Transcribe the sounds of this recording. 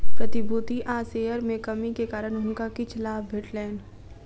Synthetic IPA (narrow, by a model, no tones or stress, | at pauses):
pɾɐt̪ɪbuːt̪iʔaːseːjəɾmẽkɐmikekaːɾəñɦʊ̃ŋkakit͡ʃɐlaːbʋɪʈlɛːn